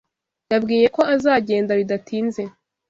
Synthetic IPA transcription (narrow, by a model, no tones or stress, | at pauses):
jabɡiːje̞ko̞azaːɟe̞ːndaβidatʰiːnze̞